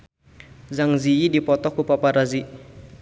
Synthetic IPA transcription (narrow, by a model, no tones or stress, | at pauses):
zaŋziidipɔt̪ɔhkupapaɾazi